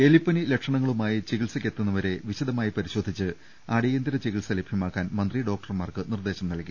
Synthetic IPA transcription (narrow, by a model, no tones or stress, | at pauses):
elipːɐnilekʂɐɳɐŋːɐɭumaːjit͡ɕiɣiɭsɐkʲːe̞t̪ːunːɐʋɐɾe̞ʋiɕɐd̪ɐmaːjipɐɾiɕo̞ːd̪ʱit͡ɕːɨ | aːɽijend̪iɾɐt͡ɕiɣiɭsɐlebʱjɐmaːkːaːnmɐnd̪riɖo̞ːk̚ʈɐrmaːrkɨnird̪e̞ːɕɐmnɐlki